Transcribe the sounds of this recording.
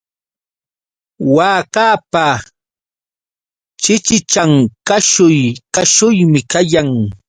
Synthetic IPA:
waːkaːpa | t͡ʃɪt͡ʃɪt͡ʃaŋkaʃʊjkaʃʊjmɪkajaŋ

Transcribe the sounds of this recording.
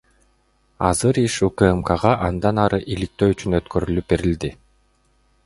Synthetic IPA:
ɑ̰zɯɾiʃukəemkaʁɑʔɑnd̪ɑnɑɾɯʔilik̚t̪øːyt͡ʃynøt̪køɾylyp̚be̞ɾild̪i

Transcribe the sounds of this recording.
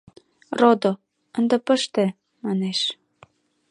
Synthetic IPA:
rod̪o | ə̆nd̪ə̆pə̆ʃt̪ĕ | mɑneʃ

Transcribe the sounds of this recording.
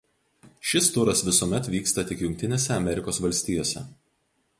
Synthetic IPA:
ʃʲɪst̪ʊɾɐsʋʲɪsuːmʲɛt̪ʋʲiːkst̪ɐt̪ʲɪkjʊŋʲkʲt̪ʲɪnʲeːsʲɛɐmʲɛɾʲɪkoːsʋɐlʲsʲt̪ʲiːjoːsʲɛ̰

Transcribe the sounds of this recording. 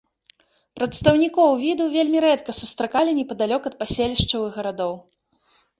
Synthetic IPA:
pɾɐt̪st̪ɐwnʲikɔwvʲid̪uvʲelʲmʲiɾɛt̪kɐsust̪ɾakalʲinʲɛpɐd̪alʲɔkɐt̪̚pasʲelʲiʂt͡ʂɐwɨɣɣɐɾad̪ɔw

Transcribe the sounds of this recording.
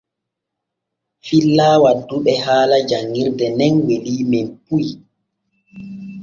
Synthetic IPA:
filːaːwadːuɓɛhaːlad͡ʒaŋɡiɾdɛnɛnweliːmɛnpuj

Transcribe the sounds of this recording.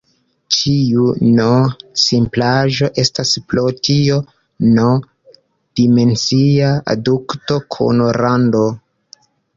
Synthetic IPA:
t͡ʃiunosimplaʒo̞ʔe̞stasplotio̞ | no | d̥ime̞nsiaa̰dukto̞kʰo̰noɾando

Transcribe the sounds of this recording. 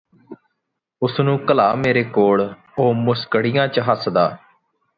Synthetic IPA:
ʊsnũːkəlaːmeːɾeːkoːɭ | oːmʊskəɽijãːt͡ʃəɦəsd̪aː

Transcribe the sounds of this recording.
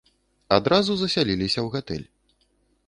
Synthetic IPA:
ad̪ɾazuzɐsʲalʲilʲisʲɐwɣat̪ɛ̰lʲ

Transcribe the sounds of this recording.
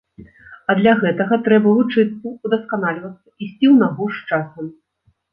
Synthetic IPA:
ɐd̪lʲɐɣɛt̪ɐɣɐt̪ɾɛbɐvˠut͡ʂɨt̪sːɐud̪ɐskanalʲvɐt̪sːɐisʲt͡sʲiwnaɣuʂt͡ʂasɐm

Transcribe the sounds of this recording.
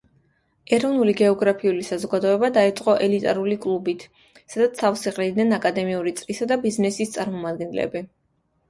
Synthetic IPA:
ɛɾɔvnuliɡɛɔɡɾapʰiulisazɔɡad̪ɔɛbad̪ait̪sʼqʼɔʔɛlit̪ʼa̰ɾulikʼlˠubit̪ʰ | sad̪at̪safsiqʼlid̪nɛnakʼad̪ɛmiuɾit̪sʼɾisad̪abiznɛsist̪sʼaɾmɔmad̪ɡɛnlɛ̰bi

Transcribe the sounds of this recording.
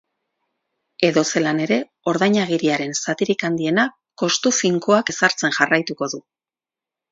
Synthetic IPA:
e̞ðo̞se̞lane̞ɾe̞ | o̞ɾðajɲaɣ̞iɾiaɾe̞nsat̪iɾikand̪ie̞na | ko̞st̪ufiŋkoake̞saɾt͡se̞nʝarajt̪uko̞ðu

